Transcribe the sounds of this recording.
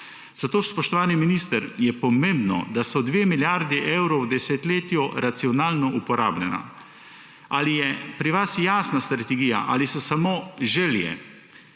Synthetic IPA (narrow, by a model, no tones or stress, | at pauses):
z̥at̪oːspɔʃt̪ɔʋaːniminist̪əɾjɛpɔmẽmbnɔ̰d̪asɔd̪ʋeːmiljaɾd̪iʔewɾɔwd̪ɛset̪leːt̪jɔɾat̪siɔnaːlnɔʔupɔɾa̰ːblʲjɛna̰ | aːlijɛpɾiʋasjaːsnast̪ɾat̪ɛɡija̰ʔalisɔsamoːʒeljɛ̰